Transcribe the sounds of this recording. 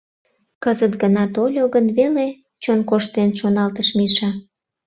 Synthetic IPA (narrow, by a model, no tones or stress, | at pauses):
kəzət̪̚ɡənɑt̪olʲoɣənβele | t͡ɕonkoʃt̪enʃonɑlt̪əʃmiʃɑ